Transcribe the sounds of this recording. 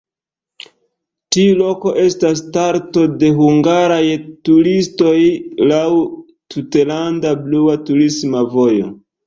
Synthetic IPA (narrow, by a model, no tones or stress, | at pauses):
tiulo̞ko̞ʔe̞stas̬taɾto̞de̞ɦuŋɡaɾajtuɾisto̞jlaw | tutelandabluatuɾismavo̞jo̞̰